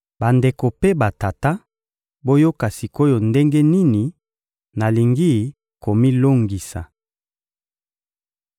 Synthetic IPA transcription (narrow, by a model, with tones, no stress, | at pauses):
ba˨nde˨ko˨pe˦ba˨ta˨ta˦ | bo˦jo˦ka˨si˨ko˦jo˨nde˦ŋɡe˦ni˦ni˨ | na˨li˨ŋɡi˦ | ko˨mi˦lo˦ŋɡi˨sa̰˨